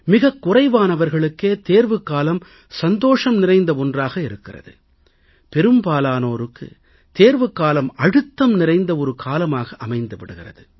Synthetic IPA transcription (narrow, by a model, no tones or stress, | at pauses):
mɪɣɐkːʊrɐɪʋaːnɐʋɐɾɣɐɭɯkːeːt̪eːɾʋɯkːaːlɐm | sɐnd̪oːʂɐmnɪrɐɪnd̪ɐɔndraːɣɐɪɾɯkːɪrɐ̰ðɯ̰ | pɛɾɯmbaːlaːnoːɾɯkːɯ̰ | t̪eːɾʋɯkːaːlɐmɐɽɯt̪ːɐmnɪrɐɪnd̪ɐɔɾɯkʰaːlɐmaːɣɐʔɐmɐɪnd̪ɯʋɪɽɯɣɪrɐ̰ðɯ